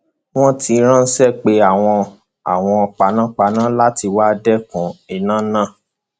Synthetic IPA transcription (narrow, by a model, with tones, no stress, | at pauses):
w̃ɔ̃˦ti˧ɾ̃ã˦n̩˦sɛ˦˨k͡pe˧˦a˦˨w̃ɔ̃˧ | a̰˨w̃ɔ̃˧ɔ˧k͡pa˧nã˦k͡pa˧nã˦la˦ti˧wa˦dɛ˦kũ˨i˨nã˦nã˦˨